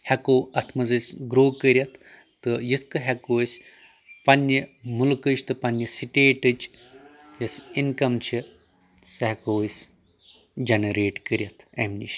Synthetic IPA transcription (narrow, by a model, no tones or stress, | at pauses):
hɐkoːɐt̪ʰmɐzɨsʲɡɾoːkəɾʲjɐt̪ʰː | ɨjit̪ʰkɨɦekoːsʲ | pɐnʲːimulkɨt͡ʃʰt̪ɨpɐnʲːɐsiʈeːʈɨt͡ʃ | jɐsinkɐmt͡ʃʰi | shekoːsʲ | d͡ʒɐnɐɾeːʈkəɾʲɐt̪ʰɐmnʲḭʃ